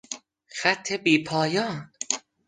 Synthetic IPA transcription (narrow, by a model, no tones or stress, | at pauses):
xæt̪ʰːe̞biːpʰɒːjɒːn